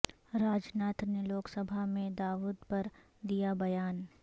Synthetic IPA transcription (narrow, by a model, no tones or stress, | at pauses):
ɾaːd͡ʒnaːt̪neloːksɐbʱamẽd̪aːʋuːd̪pɐɾ | d̪ijabɐjaːn